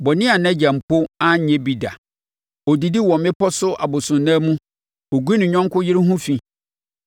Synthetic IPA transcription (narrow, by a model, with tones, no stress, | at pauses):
bɔ˨nɪ̃˦a˨nɛ̃˦d͡ʑa˨m̩˨pʰo˦ã˦˨ɲɛ̃˦bi˨da̰˨ | ɔ˨di˨di˦wɔ̃˨m˨mɪ̃˦pɔ˦sʊ˦a̰˨bʊ˨sʊ̃˨nːãː˦mũ˦ | o˨ɡu˦i˦nɪ̃˨ɲᶣɔ̃˦ŋ˦kʰʊ˦jɪ˦ɾɪ˦ɦũ˦fi˨